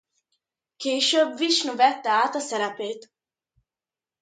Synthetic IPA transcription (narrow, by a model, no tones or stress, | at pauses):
keːʃøbviʃnuvɛt̪ːɛaːt̪ɒsɛɾɛpeːt̪